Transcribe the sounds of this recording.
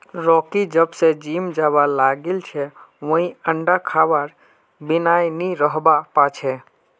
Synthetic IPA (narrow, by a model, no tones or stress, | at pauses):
ɾɔkid͡ʒəbsed͡ʒimd͡ʒabalaɡelt͡ʃʰɛʋə̃ɦĩəɳɖakʰabaɾ | binajniɾəɦbapat͡ʃʰɛ